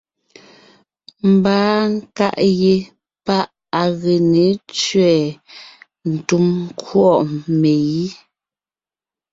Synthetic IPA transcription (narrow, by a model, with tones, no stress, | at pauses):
m̩˨baː˦ŋ̩˦ka̰˦ʔje˨ | pa˦ʔ | a˨ɣe˨ne˨˦t͡ʃɥɛː˨ | n̩˨tu˦m˦kwɔ˦˨ʔme˨ji˦